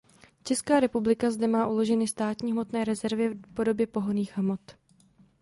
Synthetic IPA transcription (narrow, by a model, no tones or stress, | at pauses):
t͡ʃɛskaːɾɛpublɪkazdɛmaːʔulo̞ʒɛnɪst̪aːt̪ɲiːɦmo̞t̪nɛːɾɛzɛɾvɪpo̞do̞bjɛpo̞ɦoniːxɦmot̪